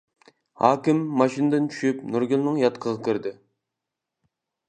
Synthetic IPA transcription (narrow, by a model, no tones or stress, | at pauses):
hɑːkʲɪmːɑʃinɨd̪ɨnt͡ʃʰy̥ʃypnuɾɡʲilˠnɨŋjɑt̪qʰəʁɑkʲʰiɾd̪ɪ